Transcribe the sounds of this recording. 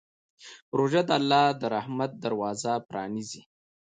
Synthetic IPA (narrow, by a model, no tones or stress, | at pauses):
pɾoʒad̪əalːɑd̪əɾahmat̪̚d̪aɾwɑzapɾɑ̰nizi